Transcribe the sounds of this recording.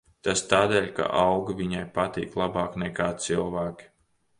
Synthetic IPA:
t̪ast̪aːd̪ɛːlʲka̰ʔawɡaviɲajpat̪ḭːklˠabɑːknɛkaːt̪sɨlˠvæːkʲi̥

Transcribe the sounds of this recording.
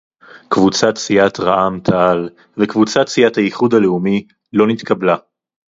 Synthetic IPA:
kvut͡satt͡siat̪ʁaʔamt̪ʰaal | vekvut͡sat͡siathajiχud̪aleumi | lo̞nit̪kabla

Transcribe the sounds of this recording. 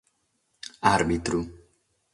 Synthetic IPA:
aɾbit̪ɾu

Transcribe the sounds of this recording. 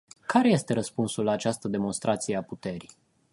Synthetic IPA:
kaɾe̞je̞st̪e̞ɾəspunsulːaːt͡ʃast̪əd̪e̞mo̞nst̪ɾʔat̪sijeaput̪e̞ɾi

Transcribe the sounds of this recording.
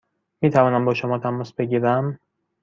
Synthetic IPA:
miːt̪ʰævɒːnæmbɒːʃomɒːt̪ʰæmɒːsbe̞ɟiːɾæm

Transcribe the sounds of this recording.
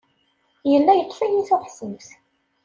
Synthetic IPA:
jəlːæjət̪ˤːfæjiθʊħsəmθ

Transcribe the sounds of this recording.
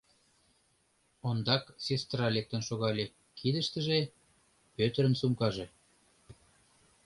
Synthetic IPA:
ond̪ɑksest̪rɑlek̚t̪ə̆nʃoɣɑlʲe | kʰid̪ə̆ʃt̪ə̆ʒe | pøt̪əɾə̆nsumkɑʒe

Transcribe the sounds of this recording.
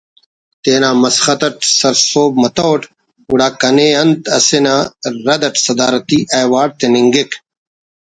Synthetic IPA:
t̪eːnaːmɐsxɐt̪ɐʈsɐɾsoːbmɐt̪owʈ | uɽaːkɐneːɐnt̪ɐ̰senaːɾɐd̪ɐʈsɐd̪aːɾɐt̪iʔɐjwaːɽ̚t̪eniŋɡek

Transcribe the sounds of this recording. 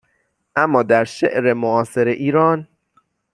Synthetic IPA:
ʔæmːɒːd̪æɾʃḛʔɾemoɒːse̞ɾeʔiːɾɒːn

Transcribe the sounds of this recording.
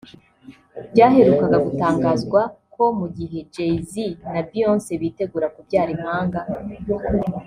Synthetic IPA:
b̥ɟaːhe̞ɾukaɡaɡutaːŋɡaːzɡwakʰo̞muɡiɦe̞d͡ʒejzinabjo̞ːnse̞βite̞ɡuːɾakubjaːɾim̥haːŋɡa

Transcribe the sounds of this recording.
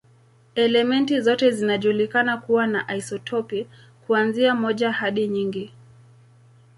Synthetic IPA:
ɛlɛmɛntizɔtɛzinaʄulikanakuwanaʔaisɔtʰɔpi | kuanziamɔʄahaɗiɲiŋɡi

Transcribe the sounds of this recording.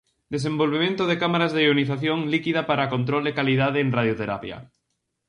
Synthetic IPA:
d̪es̬embolβemẽnt̪oð̞ekamaɾazðeoniθaθjoŋlikiðapaɾakont̪ɾold̪ekaliðaðeːŋrað̞jot̪eɾapja̰

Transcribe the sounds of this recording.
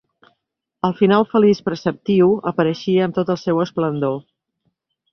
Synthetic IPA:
əlˠfinalˠfəlispɾəsəp̚t̪iwəpəɾəʃiəːmt̪ot̪əlˠsɛwəsplənd̪o

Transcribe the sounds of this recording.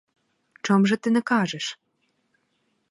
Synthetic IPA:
t͡ʃŏmʒɤ̆t̪ɘ̆nɘ̆kɑʒĕʃ

